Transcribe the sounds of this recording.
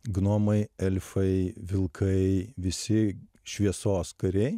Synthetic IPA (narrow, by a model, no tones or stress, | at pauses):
ɡnoːmɐɪɛlʲfɐɪʋʲɪlˠkʰɐɪʋʲɪsʲɪ | ʃʲʋʲiɛsoːskɐɾʲɛɪ